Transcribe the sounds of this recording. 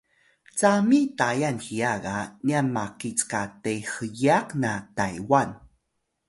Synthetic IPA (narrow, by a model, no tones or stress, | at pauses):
t͡samitajanxiaɡanianmakit͡skatexəjaqnatajwan